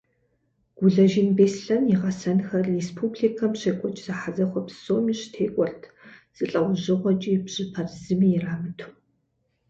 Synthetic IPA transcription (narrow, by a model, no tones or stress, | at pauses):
ɡ̥ʷʊɮɐʒɪnbeːsɬɐnjɪʁɐsɐnxɐrespʰuːbɮikʰɐmɕeːkʷʼɔt͡ʃʼz̥aħazɐχʷɔpsoːmiːɕtʰeːkʷʼɔrtʰz̥ɨɬʼɐwʷʑɪʁʷɔt͡ʃʼiːbʑ̥ɨpʰɐrzɨmiːjɛraːmɨtʰu̥